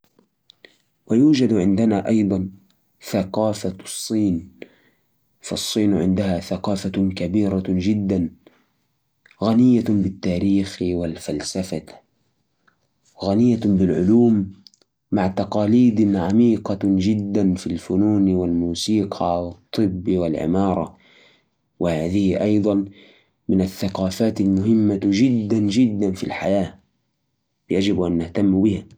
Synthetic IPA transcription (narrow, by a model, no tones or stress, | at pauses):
wajuːd͡ʒad̪ʕɪnd̪anaʔɑjd̪ˤɑn | θaqɑːfasˤːiːn | fɑ̰sˤːiːnʕɪ̰nd̪ahaθaqɑːfakabiːɾad͡ʒɪd̪ːan | ɣanɪjːabɪt̪ːaːɾiːxwɪlfalsafa | ɣanɪjːabɪlʕʊluːmː | aʕt̪ɑqɑːliːd̪ʕamiːqɑd͡ʒɪd̪ːanfilfʊnuːnwɪlmuːsiːqʰɑwɨt̪ˤːɨbːwɪlʕɪ̰mɑːɾˤɑ | wɪhaːðɪhʔɑjd̪ˤɑn | mɪnaθːaqɑːfaːt̪almʊhɪmːad͡ʒɪd̪ːand͡ʒɪd̪ːanfḭlħajaː | bɪjad͡ʒɪbʔanːɪht̪amːbɪha